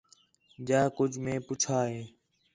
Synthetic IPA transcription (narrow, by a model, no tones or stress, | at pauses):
d͡ʒaːkʊd͡ʒʱmẽːpʊt͡ʃʰaːɦeː